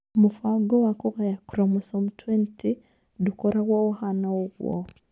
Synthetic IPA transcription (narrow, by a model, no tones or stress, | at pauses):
mufaɡowakoɣajakuɾamusomutʰwenti | dukoɾaɣwaohanauɣwo̰